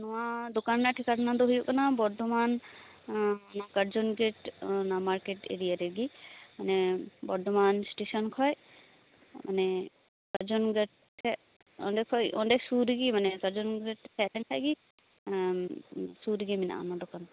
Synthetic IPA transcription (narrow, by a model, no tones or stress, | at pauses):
nɔwad̪okanɾaʈʰɛkaʈʰanad̪ɔɦujɔʔkanabɔɾd̪ɔman | kəɾd͡ʒɔnɡeʈnamaɾkeʈḛɾijaɾeɡimanɛbɔɾd̪ɔmansʈesɔnkʰɔj | mʔa̰nɛ | kəɾd͡ʒɔnɡeʈʰ | ɛ | ɔ̰ɳɖɛkʰɔjɔ̰ɳɖɛsuɾiɡimanɛkəɾd͡ʒɔnɡɡeʈtʰɛlɛnkʰajɡi | suɾiɡimina̰ʔa̰nad̪ɔkan